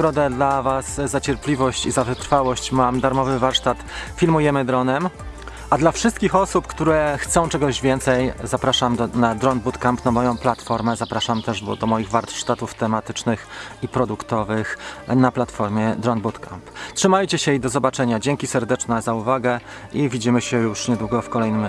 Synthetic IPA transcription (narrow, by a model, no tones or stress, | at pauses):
ɡɾɔd̪ɛd̪lavaszat͡ɕɛɾplʲivɔɕt͡ɕizavɘt̪ɾfawɔɕt͡ɕmamd̪aɾmɔvɘvaɾʂt̪at̪fʲilmujɛmɘd̪ɾɔnɛm | ʔad̪lafʂɘst̪kʲixɔsupkt̪uɾɛxt̪sɔ̃w̃t͡ʂɛɡɔʑvʲjɛnt̪sɛjzapɾaʂamɔnad̪ɾɔnbut̪kampnamɔjɔ̃w̃plat̪fɔɾmɛzapɾaʂamt̪ɛʐbɔd̪ɔmɔjiɣvaɾʂt̪at̪uft̪ɛmat̪ɘt͡ʂnɘxipɾɔd̪ukt̪ɔvɘxnaplat̪fɔɾmʲjɛd̪ɾɔnbut̪ka̰mptʂɘmajt͡ɕɛɕɛjd̪ɔzɔbat͡ʂɛɲad͡ʑeŋkʲisɛɾd̪ɛt͡ʂnɛzauvaɡɛ | ʔivʲid͡ʑimɘɕɛjuʂɲɛd̪wuɡɔfkɔlɛjnɘm